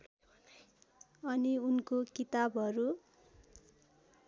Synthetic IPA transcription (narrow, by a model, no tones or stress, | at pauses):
ʌniunkokit̪abʌɾu